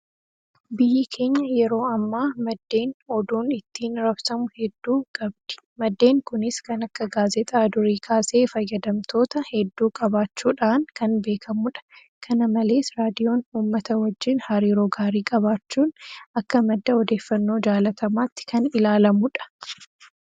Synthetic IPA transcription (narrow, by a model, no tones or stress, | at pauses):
bɪjɪkʰe̞ːɲːɐjɛɾo̞ːɐmːaːmɐd̪ːe̞ːnɔd̪uːnɪt̪ːiːnɾɐbsɐmʊhɛd̪ːuːɡ̥ɐb̚d̪̥ɪ̥mɐd̪ːe̞ːŋkʊnɪskɐnɐkːɐɡaːzɛt̪ʼɐd̪ʊɾiːkʰaːseːfɐjːɐd̪ɐmt̪ʰo̞ːt̪ɐhɛd̪ːuːkʼɐbaːt͡ʃːuːᶑaːnkɐnbe̞ːkʰɐmʊᶑɐ̥ | kʰɐnɐmɐle̞ːsɾaːd̪ɪjo̞ːnuːmːɐt̪ɐwɐd͡ʒːɪnhɐɾiːɾoːɡaːɾiːkʼɐβaːt͡ʃːuːnɐkːɐmɐd̪ːɐɔd̪e̞ːfːɐnːo̞ːd͡ʒaːlɐt̪ɐmaːt̪ːɪ̥kɐnɪlaːlɐmʊᶑɐ̥